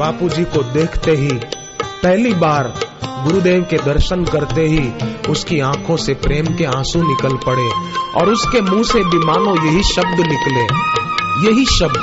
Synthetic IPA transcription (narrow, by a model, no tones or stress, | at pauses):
baːpud͡ʒikod̪eːkʰt̪eɦi | pɛɦlibaːɾɡʊɾud̪eːʋked̪ɐɾʃənkɐɾt̪eɦiʊskiãːkʰõsepɾeːmkeãːsũnɪkəlpɐɽeːɔ̰ːɾʊskemũːsebimaːlõjɐɦiʃɐb̚d̪nɪklẽːjɐɦiʃɐb̚d̪